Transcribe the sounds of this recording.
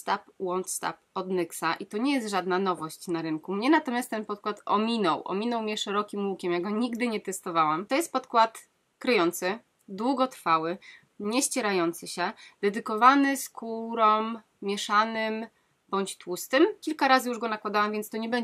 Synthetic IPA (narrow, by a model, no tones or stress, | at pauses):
st̪apwɔnt̪st̪a̰p̚ɔd̪nɘksaʔit̪ɔɲɛjɛst̪ʐad̪nanɔvɔɕt͡ɕnaɾɘŋkumɲɛnat̪ɔmʲjast̪ːɛnpɔt̪̚kwat̪ɔ̰mʲinɔwʔɔ̰mʲinɔwmʲɲɛʂɛɾɔkʲimwukʲɛmjaɡɔɲiɡd̪ɘɲɛt̪ɛst̪ɔvawamt̪ɔjɛst̪̚pɔt̪kwat̪ | kɾɘjɔnt̪sɘ | d̪wuɡɔt̪ɾfawɘ | ɲɛɕt͡ɕɛɾajɔnt̪sɘɕɛd̪ɛd̪ɘkɔvanɘskuɾɔmːʲ | jɛʂanɘm | bɔɲt͡ɕt̪wust̪ɘmkʲilkaɾazɘjuʐɡɔnakwad̪awamvʲjɛnt̪st̪ɔɲɛbɛɲɛ